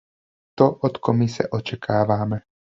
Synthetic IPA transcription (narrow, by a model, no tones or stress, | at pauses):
t̪oʔot̪komɪsɛ̰ʔot͡ʃɛkʰaːvaːmɛ